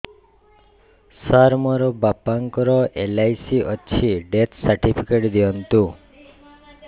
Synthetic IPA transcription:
saɾmɔɾɔbapaŋkɔɾɔʔelajsiʔɔt͡ʃʰiɖet̪ʰsaɾʈipʰikeʈd̪iɔnt̪u

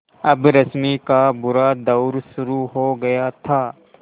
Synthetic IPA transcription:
ɐbɾɐsmikabʊɾad̪ɐʊɾʃʊɾuɦoɡɐjat̪ʰaː

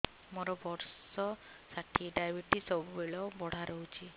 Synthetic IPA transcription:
mɔɾɔbɔɾsɔ | saʈʰiɖajbiʈisɔbubeɭɔbɔɽ̤aɾɔɦut͡ʃʰi

